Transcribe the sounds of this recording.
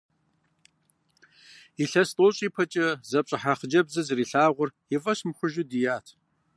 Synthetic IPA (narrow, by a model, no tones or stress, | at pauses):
iɬɐstʼoːɕʼiːpʰɐt͡ʃʼɐzɐpɕʼɪħaχəd͡ʒɐbzɐzriːɬaːʁʷʊrjɪfʼɐɕmxʷʊʒɪdijaːtʰ